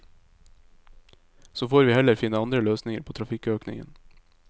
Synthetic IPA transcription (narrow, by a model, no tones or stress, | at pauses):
soːfoːɾʋiːhɛləɾfɪnəɑnd̪ɾəløːsnɪŋəɾpʰoːt̪ɾɑfɪkøːknɪ̰ŋə̰n